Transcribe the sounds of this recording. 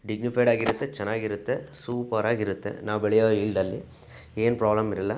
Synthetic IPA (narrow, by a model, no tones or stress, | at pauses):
ɖiɡnipʰɐjɖaːɡiɾut̪ːet͡ʃɛnːaːɡiɾut̪ːe̞suːpɐɾaːɡiɾut̪ːḛnaːʋbɛɭɛjoːilɖ̪ɐlːi | eːnpɾaːblɐmiɾɐlːɐ